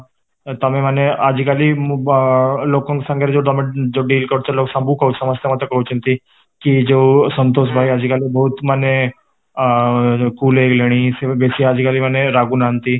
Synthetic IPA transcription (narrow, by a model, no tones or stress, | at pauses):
t̪amemanead͡ʑikali | lokə̃ŋksãŋɡʱaɾd͡zoɖ̪amed͡ʑoɖiːlkəɽt͡ɕaloːksãmbukəusəməst̪jemat̪ɾəkəɦut͡ɕənt̪i | kid͡ʑosənt̪osbʱaiad͡ʑikalibəɦut̪mane | kuːlekleɽ̃isebesiad͡ʑikaliːmanːeɾaɡuːnant̪iː